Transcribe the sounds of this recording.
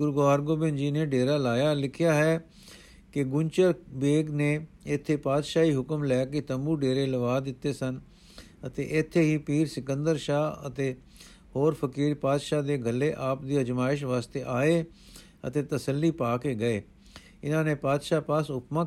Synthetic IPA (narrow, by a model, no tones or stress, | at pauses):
ɡʊɾɡaːɾɡoːbɪ̃nd͡ʒiːneːɖeːɾaːlaːjaːlɪkʰɪjaːɦɛː | kɪɡʊɲt͡ʃəɾbeːɡneː | ɪt̪ʰːeːpaːd̪ʃaːiːɦʊkəmlɛːkɪt̪əmbuːɖeːɾeːləʋaːd̪ɪt̪ːeːsən | ət̪ḛːʔɪt̪ʰːeːɦiːpiːɾsɪkə̃nd̪əɾʃaːə̰t̪eː | hoːɾpʰəkiːɾpaːd̪ʃaːd̪eːɡəlːeːʔaːp̚d̪iːəd͡ʒmaːɪʃ̬ʋaːst̪eːʔaːeː | ə̰t̪eːt̪əsəlːiːpaːkeːɡəeː | ɪnãːneːpaːd̪ʃaːpasʊpmã